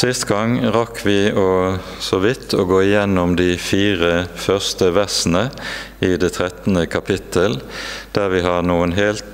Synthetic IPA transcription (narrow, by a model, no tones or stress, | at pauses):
sɪst̪ɡɑŋʁɑkʰʋɪːoː | sɔʋɪt̪ʰːoːɡoːɪjɛnːɔmd̪iːfiːʁəfœʁst̪əʋæʁsn̩ə | ɪd̪eːt̪ʰʁɛt̪n̩əkʰɑpʰɪt̪ʰəld̪̥æʁʋɪɦɑnuːənɦeːlt̪